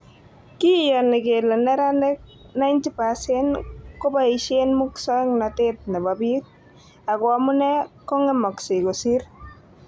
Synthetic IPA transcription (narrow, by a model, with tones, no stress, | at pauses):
ki˦jɔ˨nɪ˨ke˨lɔ˨nɛ˦ɾa˦nɛ˦k̚ | na˦jnti˦pa˨sɛ˦nko˦ba˦i˨ʃe˦nmu˦ksɔ˦ŋna˨tɪt̚nɛ˨ba˨bi˦k̚ | a˨kwa˨mʊ˦nɛ˦kɔ˦ŋɛ˦mɔ˨ksɪ˨ko˨si˦ɾ